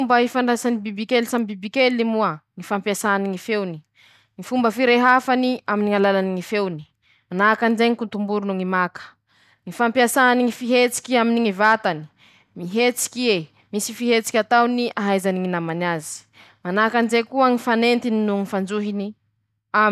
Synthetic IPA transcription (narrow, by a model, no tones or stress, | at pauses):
mbəifaɳɖ͡ʐasanibibikelsambibikelnimuəŋifampjasaniŋifewni | ŋifumbəfiɾeɦafaniaminiŋalalaniŋifewni̥ | manakanzeŋikunt̪umbuɾunuŋimakə̥ | ŋifampiasaaniŋifiɦet͡si̥kʲiaminiŋivat̪ani̥ | miɦet͡si̥kʲie | misifiɦet͡si̥kʲat̪awniʔaɦajzaniŋinamanazi̥ | manakanzekuəŋifanent̪ininuŋifand͡zuɦini | a